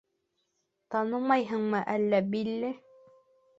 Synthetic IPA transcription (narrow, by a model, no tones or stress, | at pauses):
t̪ɑnɤmɑjɦɤɴmɤʔælːæbilːɘ